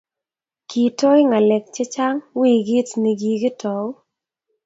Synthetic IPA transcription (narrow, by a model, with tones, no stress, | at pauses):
ki˨to˦jŋa˨lɛ˨k̚t͡ʃɛ˦t͡ʃa˦ŋwi˦˨ɡi˦tni˨ɡi˨ɡɪ˦tʰɔ˨˦